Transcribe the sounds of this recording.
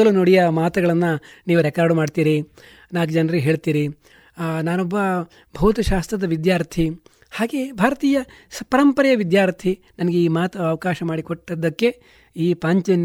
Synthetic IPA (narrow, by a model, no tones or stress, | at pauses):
ɐlunoːɽijɐmaːt̪ɐɡɐɭɐnːɐniːʋuɾɛkaːɾɖmaːɖt̪iːɾi | naːɡd͡ʒɐnɾiɦe̞ːɭt̪iːɾi | naːnobːɐ | bʱɐːt̪ɐʃaːst̪ɾɐd̪ɐʋid̪jaːɾt̪ʰi | haːɡe̞ːbʱaːɾɐt̪iːjɐ | spɐɾɐmpɐɾɐjɐʋid̪jaːɾt̪ʰi | nɐnɐɡeiːmaːt̪ɐɐʋɐkaːʃɐmaːɽikoʈːɐd̪ɐkːe̞ | iːpaːɲt͡ʃɐn